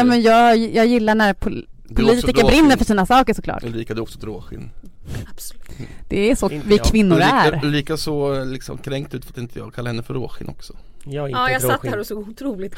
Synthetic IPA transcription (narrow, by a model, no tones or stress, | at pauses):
ɛmɛnjɑːjɑːɡjɪlːaɳæɾpʰʊ | ʊliːt̪ɪkkəɾbɾɪnːəɾfœʂiːnasɑːkəʂɔkʰlɑ̰ːʈliːkad̪ɛɔksɔt̪ɾoːɧɪ̰n | d̪̥ɛːsɔvɪkʰvɪnːʊɾæɾliːkasɔlɪksɔ̰mkʰɾɛŋkt̪ʉ̟ːt̪fɾat̪ɪnt̪ʰəjɑ̰ɡkʰalːahɛnːəfœɾo̰ːɧɪ̰nʔɔ̰ksɔ̥ɑːjassat̪ːhæːɾɔsoːɡʊt̪ʰɾuːlɪt̪